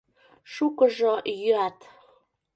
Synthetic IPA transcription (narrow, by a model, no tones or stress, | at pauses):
ʃukəʒojyat̪